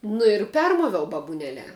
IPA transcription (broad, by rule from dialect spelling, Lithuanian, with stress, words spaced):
nʊ ɪr ˈpʲɛrmoːʋʲɛʊ bɐbʊˈnʲæːlʲæː